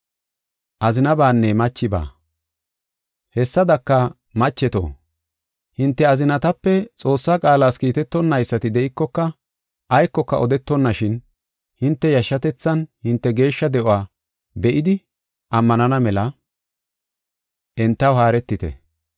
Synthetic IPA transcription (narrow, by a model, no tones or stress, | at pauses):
ʔɐzɪnɐbaːnːɛmɐt͡ʃːɪba̰ː | hɛsːɐd̪ɐkːɐ | mɐt͡ʃːɛt̪o̰ː | hɪnt̪ːɛɐzɪnɐt̪ɐpːɛt͡sʼo̞ːsːaːkʼaːlaːskiːt̪ɛt̪ːɔnːɐjsːɐt̪ɪd̪ɛʔɪkːɔkːɐ | ʔɐjkːɔkːɐ̰ʔɔd̪ɛt̪ːɔnːɐʃɪn | hɪnt̪ːɛjɐʃːɐt̪ɛt͡sːɐnhɪnt̪ːɛɡe̞ːʃːɐd̪ɛʔɔwaː | bɛʔɪd̪ɪ | ʔɐmːɐnɐnɐmɛlɐ | ʔɛnt̪ːɐwhaːɾɛt̪ːɪt̪ɛ̰